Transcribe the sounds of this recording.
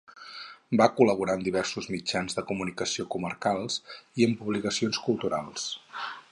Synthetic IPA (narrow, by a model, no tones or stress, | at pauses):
bakuləβuɾaənd̪iβɛrsuzmid͡ʒanzðəkumunikəsiokuməɾkalˠsiəmpuβlikəsionskulˠt̪uɾalˠs